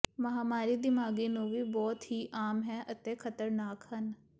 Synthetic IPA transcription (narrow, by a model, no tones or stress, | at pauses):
məɦaːmaːɾiːd̪ɪmaːɡiːnũːʋiːbɔːt̪ɦiːʔaːmɦɛːʔət̪ẽːkʰət̪əɾnaːkhən